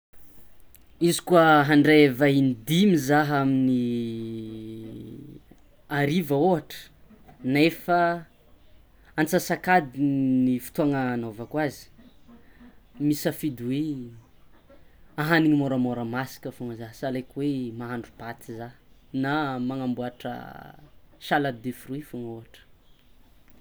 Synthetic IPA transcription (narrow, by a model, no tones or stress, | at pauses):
izi̥kuaɦaɳɖ͡ʐevainid̪imizaɦamini | aɾivəoɦaʈ͡ʂə̥ | nefa | ant͡sasakad̪inifu̥t̪uaŋanovakwazi̥ | misəfid̪uwe | aɦaniŋimoɾəmoɾəmasi̥kəfuŋəzasalejkʲwemaɦaɳɖ͡ʐub̥at̪izanamaŋambuaʈ͡ʂə̰ | ʃalad̪efruifuŋoɦaʈ͡ʂə̥